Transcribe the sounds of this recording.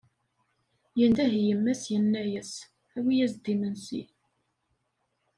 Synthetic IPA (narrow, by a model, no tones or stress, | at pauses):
jənd̪æɦjəmːæsjənːæjəs | æwijæzd̪imənsḭ